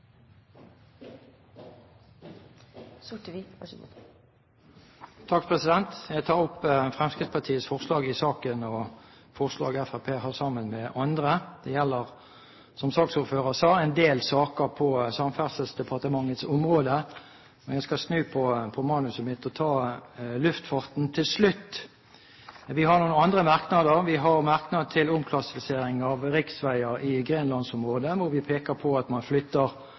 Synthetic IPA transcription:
sʊʈʋi | t̪ʰɑk̚pʰʁɛsɪd̪ɛnt̪jæt̪ʰɑːʁʊpːfʁɛmskɾɪd̪spʰɑt̪ʰiːət̪sfɔʁslɑːɡɪsɑːkənɔ | fɔʁslɑ̰ːɡæfæpʰeːhɑːʁsɑmːənmɛʔɑnd̪ʁəd̪̥ɛjɛlːəʁ | sɔmsɑːksuːʁføːʁəsɑːɛɪnd̪eːlsɑːkəʁpʰɔsɑmfæʁsəlsd̪ɛpʰɑʁt̪əmɑŋːət̪sʊmʁoːd̪ə | mɛnjæɪskɑsnʉːpʰɔpʰɔmɑːnʉsəmɪt̪ːɔt̪ʰɑːlʉft̪fɑʁt̪n̩t̪ʰɪlslʉt̪ː | ʋɪhɑnuːnəɑnd̪ʁəmɑʁknɑd̪əʁʋɪɦɑʁmɑʁknɑd̪̚t̪ʰɪlʊmkʰlɑsɪfɪseːɾɪŋɑʋʁɪksʋæɪəɾɪɡʁeːnlɑnsʊmʁoːd̪əʋʊɾʋɪpʰeːkəpʰɔɑt̪mɑnflʏt̪ːəʁ

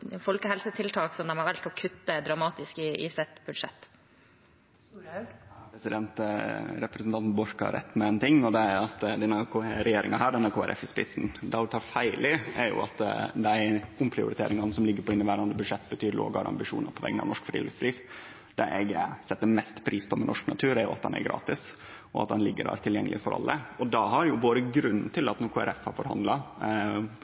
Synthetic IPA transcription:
fɔlkəhɛlsət̪ʰɪlt̪ʰɑːksɔmd̪ɛmɑɾʋɛlt̪ɔkʰʉt̪ːəd̪ɾɑmɑːt̪ɪskɪɪ̰sɛt̪bʉd̪ʂɛt̪ː | pɾɛsɪd̪ɛnt̪ɾɛpɾɛsn̩t̪ɑnt̪n̩bɔɾkɑ̰ɾɛ̰t̪ːmɛɛːnt̪ʰɪŋːɔd̪ɛæɾɑt̪d̪ɛnækʰoɛɾɛjeːɾɪŋɑɦæːɖɛnæɾkoːæɾɛ̰fɪspɪsn̩d̪ɛʊt̪ʰɑːɾfæɪlʔɪɛ̰ɾjʊ̰ɑ̰t̪d̪æɪʊmpʰɾɪʊ̰ɾɪt̪ʰḛːɾɪŋɑnːəsɔmlɪɡːəɾpʰɔɪnːəʋæːɾɑnd̪əbʉd̪ʂɛt̪ːbət̪ʰyːɾlo̰ːɡɑ̰ɾɑ̰mbɪʂṵːnɑɾpʰɔʋɛ̰ɡːnɑ̰ʋnɔʂkfɾiːlɛ̰sd̪ɾiːf | d̪̥ɛʔɛɡsɛt̪ːəmɛst̪pʰɾiːspʰɔmɛnʔɔʂknɑt̪ʰʉːɾæɾjʊ̰ɑt̪̚d̪ɛ̰næ̰ɾɡɾɑ̰ːt̪ɪs | ɔɑ̰t̪̚d̪ɛnlɪɡːədæ̰ːɾt̪ʰɪljɛŋːəlɪəfɔɾɑ̰lːəɔd̪ɑɦɑɾjʊboːɾəɡɾʉnːt̪ʰɪlɑt̪nɔɾkʰuːæ̰ɾɛfhɑɾfɔɾhɑnd̪lɑ

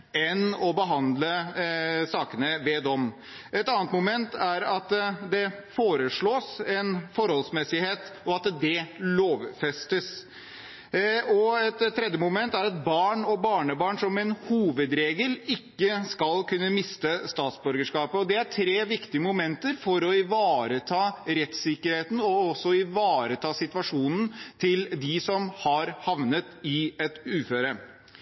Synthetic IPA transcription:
ɛnɔbəɦɑnd̪lə | sɑːkənəʋɛːd̪ɔm | ʔɛt̪ɑːnət̪mʊmɛnt̪æɾɑt̪d̪ɛfoːɾəʂɭoːsɛnfɔɾhɔlsmɛsɪheːt̪ɔɑt̪d̪ɛloːʋfɛst̪əs | ɔɛt̪ʰːɾɛd̪jəmʊmɛnt̪æɾɑt̪̚bɑːɳɔbɑːɳəbɑːɳʂɔmɛnhuːʋəd̪ɾeːɡəlɪkːəskɑlkʰʉnːəmɪst̪əst̪ɑːt̪sbœɾɡəʂkɑːpəɔd̪ɛæʈʰɾeːʋɪkt̪ɪəmʊmɛnt̪əɾfɔɾɔɪʋɑːɾət̪ʰɑːɾɛt̪sɪkːəɾheːt̪n̩ɔɔsːɔɪʋɑːɾət̪ʰɑːsɪt̪ʋɑʂuːnn̩t̪ʰɪld̪ɪsɔmhɑɾhɑʋnət̪ɪɛt̪ʉːføːɾə

